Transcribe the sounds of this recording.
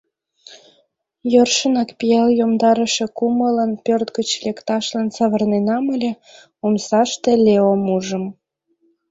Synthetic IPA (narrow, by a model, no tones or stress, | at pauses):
jørʃənɑkpijɑljomd̪ɑɾəʃe̽kumələnpørt̪ɡət͡ɕlekt̪ɑʃlɑnsəβərnenɑməlʲe | omsɑʃt̪elʲeomuʒəm